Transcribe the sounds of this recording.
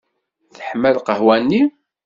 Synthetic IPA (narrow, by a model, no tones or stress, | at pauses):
θə̥ħməlqəɦwænːi